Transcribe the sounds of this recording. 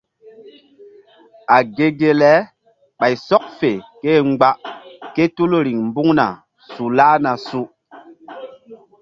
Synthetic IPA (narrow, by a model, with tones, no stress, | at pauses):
a˨ɡe˦ɡe˦lɛ˦ | ɓa˨jsɔ˦k̚fe˨ke˦ŋ͡mɡ͡ba˦ʔke˦tu˦lɾi˨ŋmbu˦ŋna̰˨ | su˨laː˦na˨su˦